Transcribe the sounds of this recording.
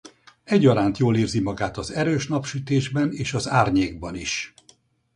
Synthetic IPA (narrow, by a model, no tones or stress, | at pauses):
ɛɟːɒɾaːnt̪joːliːrzimɒɡaːt̪ɒzɛɾøːʃnɒpʃyt̪eːʒbɛneːʃɒzaːrɲeːɡ̚bɒniʃ